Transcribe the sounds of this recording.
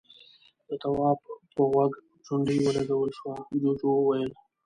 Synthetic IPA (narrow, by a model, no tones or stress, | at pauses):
d̪̥ət̪awɑbpəɣwaɡ | t͡ʃʊɳɖijwəlaɡawəlʃwad͡ʒod͡ʒowwajəl